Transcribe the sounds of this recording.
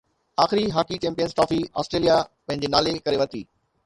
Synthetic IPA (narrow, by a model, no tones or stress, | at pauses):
aːxɪɾiɦaːkit͡ɕɛ̃ːmpijənzʈaːfia̰ːsʈɾeːlijapɐ̃ɦɪ̃ɲ̆d͡ʑenaːlekɐɾeʋɐt̪iː